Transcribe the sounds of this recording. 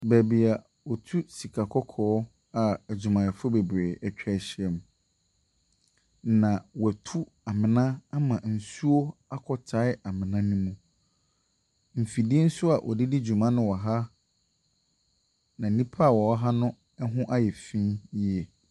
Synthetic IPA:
bæ˨bi˨a˨ | wɔ˨tʰu˦si˨kʰa˨kʰɔ˦kʰɔː˦ | a˨d͡ʑu˨mã˨ɛ˨fʊ˦be˨bɾeː˨æ˨t͡ɕᶣɛ˦˨ɕi˦ɛ˨m | nã˨wɛ˨tʰu˦ | a˨mɪ̃˨nã˦a˦mã˨n̩˨su˦o˦a˦kʰɔ˨tʰa˦ɪ˦a˨mɪ̃˨nã˦nũ˦mũ˦ | m̩˨fi˨di˦n̩˦sʊ˦a˨ʔɔ̰˨di˦di˦d͡ʑu˨mã˦nʊ̃˦wɔ˨ɦa˦ | nã˨nĩ˦pʰa˦˨wɔ˨ɔ˦ɦa˦nʊ̃˦ | ɛ˦ɦʊ̃˦ʔa˦jɛ˨fĩ˦ji˦ɛ˨

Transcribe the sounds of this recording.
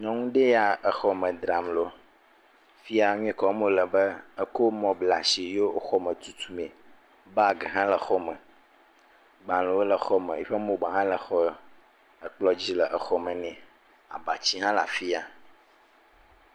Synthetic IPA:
ɲɔ̃˦ŋũ˦ɖe˦ja˨ə˨xɔ˦mə̃˨d̪ɾa˨mlo˨ | fi˦a˨ɲũ˦ɛ̃˦kɔ˨˦mõ˦lə˨bə˦ə˦ko˦mɔ̃˨bla˨ʃi˨jo˦xɔ˦mə̃˨t̪u˦t̪u˦mɛ̃˨ | ba˦ɡɛ˨ɦã˦lə˨xɔ˦mə̃˨ | ɡ͡bã˨lõ˨wo˦lə˨xɔ˦mə̃˨i˦ɸə˦mõ˨ɡ͡ba˨ɦã˦lə˨xɔ˦ | ə˨k͡plɔ˦d͡ʑi˦lə˨ʔə˨xɔ˦mə̃˨nɛ̃˨ | a̰˨ba˨t͡ɕi˦ɦã˦la̰˨fi˦a˨

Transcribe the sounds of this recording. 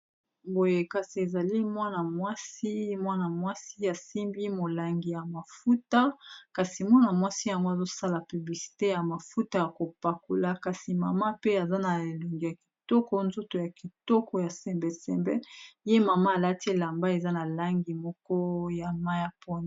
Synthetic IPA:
bo˨je˨ka˨si˨e˨za˨li˦mwa˦na˨mwa˦si˦mwa˦na˨mwa˦si˦a˨si˦mbi˦mo˨la˨ŋɡi˨ja˨ma˨fu˦ta˦ka˨si˨mwa˦na˨mwa˦si˦ja˨ŋɡo˦a˨zo˦sa˦la˨py˨bli˨si̥˨te˦ja˨ma˨fu˦ta˦ja˨ko˨pa˨ko˨la˦ka˨si˨ma̰˨ma˦pe˦a˨za˦na˨e˨lo˨ŋɡi˨ja˨ki̥˨tɔ˦kɔ˦nzo˦to˨ja˨ki˨tɔ˦kɔ˨ja˨sɛ˨mbɛ˨sɛ˨mbɛ˦je˦ma˨ma˦a˨la˦ti˦˨la˨mba˦e˨za˦na˨la˦ŋɡi˨mɔ˦kɔ˦ja˨ma˦ja˦po˦n˨

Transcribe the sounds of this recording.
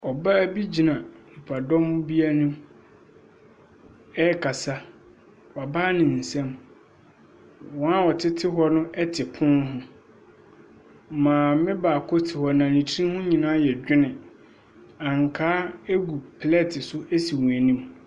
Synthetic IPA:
ɔ˨ba˦æ˦bi˦d͡ʑi˨nã˨ni˨pʰa˨dɔ̃˦m˦bi˦a˦nũ˦m | ɛ˦kʰa˨sa˦ | wɔ˨a˨baː˦nɪ̃˨n̩˨sɛ̃˦m | wɔ̃˨˦a˦wɔ˨tʰɪ˦tʰɪ˦ɦɔ˦nʊ̃˦ʔɛ˦tʰɪ˨pʰʊ̃˦ɦʊ̃˦ | mã˨mɪ̃˦baː˨kʰɔ˦tʰɪ˨hɔ˨nã˨nĩ˨tʰĩ˦hʊ̃˦ɲĩ˨nãː˦jɛ˨d͡ʑᶣɪ˦nɪ̃˨ | ã˨ŋ˨kʰaː˦e˦ɡu˨pʰlɛ˦tʰɪ˨sʊ˦ʔe˦si˨wũ˨æ˨nĩ˦m

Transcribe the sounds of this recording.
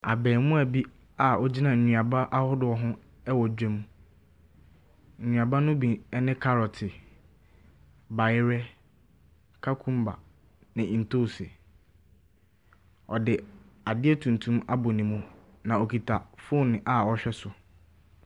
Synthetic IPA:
a̰˨bɛ̃ː˨mmũ˦æ˨bi˦ | a˨ɔ˦d͡ʑi˦nã˨ɲᶣũ˨a˨ba˦ʔa˦hʊ˦dʊ˨ɔ˨ɦʊ̃˦ | ɛ˦wɔ˨d͡ʑᶣɛ˦mũ˦ | ɲ̩˨ɲᶣũ˨a˨ba˦nʊ̃˦bi˨ɛ˦nɪ̃˦kʰa˦ɾɔ˨tʰɪ˨ | ba˨jɪ˦ɾɛ˦ | kʰa˦kʰũ˦mba̰˨ | nɪ̃˨ĩ˨n̩˨tʰo˦˨sɪ̰˨ | ɔ˨dɪ˨ | a˨dɪ˦ɛ˦tʰũ˨n˨tʰũ˦ma˦bʊ˨nĩ˨mũ˦ | nã˨o˨kʰi˨tʰa˨fʊ˦˨nɪ̃˨ʔa˨ɔ˦ɕᶣɛ˦sʊ˨

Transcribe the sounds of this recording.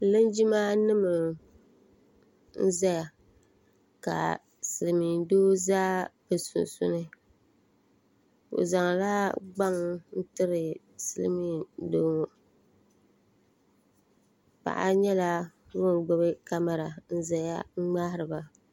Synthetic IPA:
lɨ˦nd͡ʒi˦maː˦nɨ˦mɨ˨l | n̩˦za˦ja˨ | ka̰˨ | sɨ˨lɨ˨mi˨doː˦zaː˦bɨ˨sʊ̰˨nsʊ̰˦nɨ˦ | o̰˨za˨ŋ˨la˦ɡ͡ba˦ŋ˦n̩˦tɨ˦ɾɨ˨ | sɨ˨lmi˦doː˦ŋo˨ | pa̰˨ʔa̰˦ɲɛ˦la˦ | wo˦ŋ˨ɡ͡bo˦bɨ˦ka˦ma˨ɾa˨n̩˦za˦ja̰˦ŋ͡m̩˦ŋ͡ma˦hɪ˦ɾɨ˨ba˨

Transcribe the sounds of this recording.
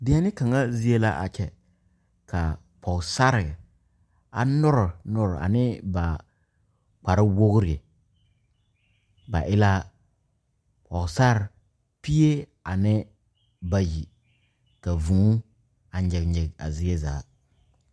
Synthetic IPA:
dɪ˨˦a˦nɪ˦ka˨ŋa˦zi˦e˦la̰˦ʔa̰˨t͡ʃɛ˨ | kʰa˨ | pʰɔ˨sa˦ɾɪ˨ | a˨nʊ˦ɾʊ˨nʊ˦ɾa̰˨nɪ˦ba˨ | k͡pa˨ɾɪ˦wo˦ɣɾɪ˨e˨ | ba̰˨ʔɪ˦la˦ | pʰɔ˨sa˦ɾ | pi˦e˦ | a˨nɪ˦ | ba˨ji˨ | ka˨vũ˨˦ | a˨ɲɪ˨ɡɲɪ˨ɡa̰˨zi˦e˦za̰ː˨˦

